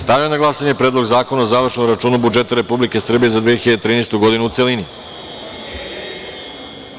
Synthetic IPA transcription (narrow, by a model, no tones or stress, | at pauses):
st̪aʋjionaɡlˠasaɲe̞pɾeːd̪lo̞ɡzaːko̞naozaːʋr̩ʃnomɾat͡ʃuːnubud͡ʒe̞t̪aɾe̞publike̞sr̩bijezad̪ʋijeçiʎad̪et̪ɾiːnejst̪uɡo̞d̪inuːt̪se̞lini